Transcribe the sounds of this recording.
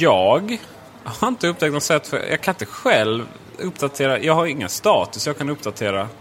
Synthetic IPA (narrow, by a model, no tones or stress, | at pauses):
jɑːɡ | haɾɪnt̪əɵp̚ːt̪ʰɛk̚t̪nɔt̪sɛt̪ːfœ̰jʔɑ̰ːkʰanɪnt̪əɧɛlv | ɵpːd̪at̪ʰeːɾajʔɑːɡhaɾɪŋːə̰nst̪ɑːt̪ɵsjɑːɡkʰanɵpd̪at̪ʰeːɾa